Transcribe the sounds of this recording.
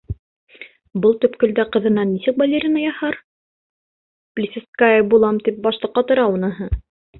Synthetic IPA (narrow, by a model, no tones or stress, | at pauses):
bɤlˠt̪ɵ̆pkɵ̆ld̪æqɤ̆ðɤ̆nːɑnːisɘkvɐlʲeɾʲinɑjɑhɑɾ | plʲisʲɪskaəbulˠɑmt̪ip̚bɑʃlˠɤ̆qqɑt̪ŏɾɑunɤ̆ɦɤ